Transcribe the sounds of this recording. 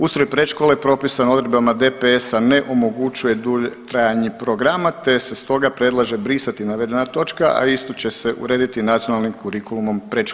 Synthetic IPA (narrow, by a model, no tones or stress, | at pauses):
ust̪ɾojpɾe̞ʃkolepɾo̞pisano̞d̪ɾed̪bamad̪epeesaneʔo̞mo̞ɡut͡ʃuje̞d̪uʎt̪ɾajaɲepɾo̞ɡɾamat̪e̞sest̪o̞ɡapɾed̪lˠaʒebɾisat̪inaʋe̞d̪e̞nat̪o̞t͡ʃkaʔa̰ist̪o̞t͡ɕe̞se̞ʔṵɾe̞ːd̪it̪inat̪sionalnimkuɾikulˠumo̞mpɾeʃ